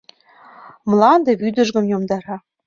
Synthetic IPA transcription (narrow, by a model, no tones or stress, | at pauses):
mlɑnd̪ĕβyd̪ə̆ʒɣə̆mjomd̪ɑɾɑ